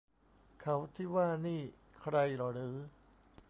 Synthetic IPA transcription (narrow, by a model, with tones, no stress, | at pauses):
kʰa˦˥wt̪ʰiː˥˩waː˥˩niː˥˩ | kʰɾa˧jɾɔ˨˩ɾɯː˩˦